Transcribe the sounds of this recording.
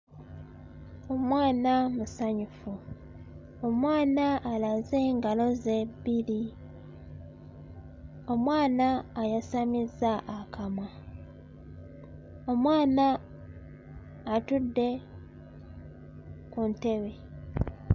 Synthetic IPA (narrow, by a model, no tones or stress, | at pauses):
o̞mwaːnamusaɲufu | o̞mwaːnaʔːlaze̞ːŋɡalo̞ze̞bili | o̞mwaːnaːjasamizaʔːkʰamwa | o̞mwaːna | tudːe̞ | kunte̞βe̞